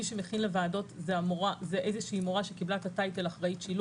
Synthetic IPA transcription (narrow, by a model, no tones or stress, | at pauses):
iʃemeχinlevaːdo̞tzeamoʁazeʔejzeʃiːmoʁaʃekiblaetatajtelaχʁaitʃil